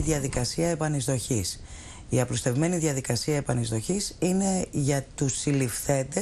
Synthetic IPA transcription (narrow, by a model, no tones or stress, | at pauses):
ðjɐðikɐsiɐe̞pɐnizðo̞çis | iɐplust̪e̞vme̞niðʝɐðikɐsiɐe̞pɐnizðo̞çisine̞ʝɐt̪usːilifθe̞d̪e